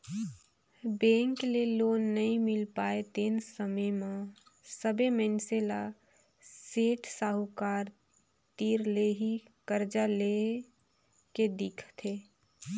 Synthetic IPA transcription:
bẽːŋkleloːnːəɦĩmɪlpaːet̪eːnsəməjmã | səbʱemɛ̃nsela | seːʈsaːɦukaːɾ | t̪iːɾleɦi | kəɾd͡ʒale | ked̪ɪkʰt̪ʰeː

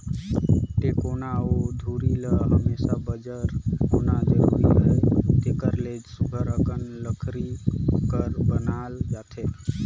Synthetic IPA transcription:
ʈ̪ekonaod̪ʱuɾiləɦəmesabəd͡ʒəɾɦonad͡ʒəɾṵɾḭɦəjt̪ekəɾled͡ʒsuɡʱəɾəkənləkʰɾikəɾbənald͡ʒat̪ʰet̪

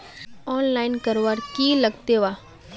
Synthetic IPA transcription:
ɔːnlaːɪnkɐɾʋaːɾkilɐɡt̪eʋaː

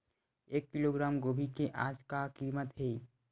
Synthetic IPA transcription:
eːkːiloɡɾaːmɡobʱikeʔaːd͡ʒkakimət̪ɦeː

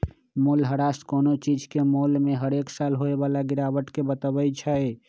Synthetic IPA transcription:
molɦəɾaskonot͡ʃid͡ʒʱkemolmeɦəɾeksalɦoebalaɡiɾaʋəʈkebət̪əbət͡ʃʰəe

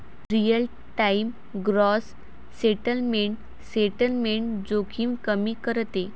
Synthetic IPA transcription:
ɾijəl | ʈaim | ɡɾɔsː | eʈəlmeɳʈ | seʈəlmeɳd͡zokʰiːmkəmiːkəɾt̪e

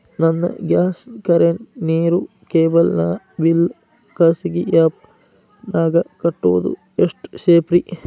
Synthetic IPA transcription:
nɐnːɐ̰ɡjaːskɐɾeɳneːɾu | keːbɐlnaː | ʋilː | kɐːsiɡijaːp̚ | naːɡɐkɐʈːo̰ːd̪ṵ | eʂʈʃeːpɾi

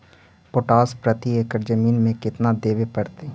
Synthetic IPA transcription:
poʈaːspɾət̪iekəɾd͡ʒəmiːnmẽkɪt̪nad̪eːʋepɐɽt̪i

